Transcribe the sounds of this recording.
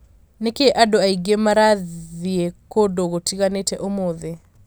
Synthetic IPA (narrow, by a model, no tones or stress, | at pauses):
nekeʔadoaiɡemaɾaiekodoɣotiɣanetɛʔomoðe